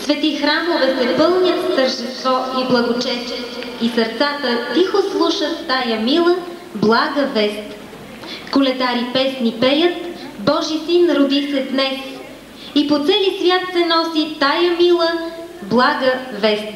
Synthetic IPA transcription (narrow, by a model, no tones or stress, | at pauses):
svɛt̪ixɾamovɛsɛpɤlˠnʲjət̪ft̪əɾʒd̪ɛst̪vɔiblˠɐɡot͡ʃɛst͡ʃɛt̪isəɾt̪sat̪ət̪ixoslˠuʃət̪t̪ajɐmilˠə | blˠaɡəvɛst̪ | kolɛd̪aɾipɛsnipɛjət̪bɔʒisinɾod̪isɛd̪nɛs | ipot̪sɛlisvʲjat̪sɛnɔsit̪ajəmilˠə | blˠaɡəvɛst̪